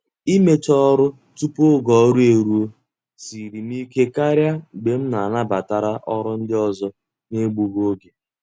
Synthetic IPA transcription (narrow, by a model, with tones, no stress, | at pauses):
i˦me˦t͡ʃɔ˦ɾʊ˦ | tu˦po˦ɡɔ˨˦ɾu˦e˨ɾu˦o˦ | si˨ɾi˨m̩˦i˦ke˦ka˦ɾja˦ɡ͡be˨m̩˦na˨na˦ba˨ta˨ɾa˦ʔɔ˦ɾʊ˦n̩˦dɪ˦ɔ˨zɔ˦ | ne˦ɡ͡bu˨ɡo˦ɡe˨